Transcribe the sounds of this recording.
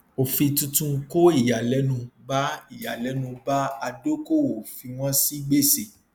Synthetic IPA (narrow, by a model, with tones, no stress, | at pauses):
o˨fĩ˧tũ˧tũ˧ŋ̩˧˦ko˦i˦˨ja˨lɛ˨˦nũ˧ba˦i˦˨ja˨lɛ˨˦nũ˧ba˦a˧do˦ko˦˨o˨fi˧w̃ɔ̃˦si˦ɡ͡be˦˨se˨